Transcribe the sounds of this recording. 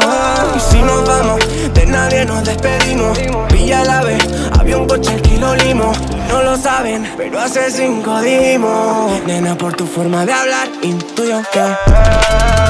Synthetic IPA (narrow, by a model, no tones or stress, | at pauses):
sinozβamo̞s | d̪e̞naðje̞no̞zðe̞spe̞ðimos | piʎalaβes | a̰βiauŋkot͡ʃelkelolimos | no̞lo̞saβe̞npeɾoases̬iŋkoðimonenapo̞ɾt̪ufo̞ɾmaðeaβlaɾint̪ujaka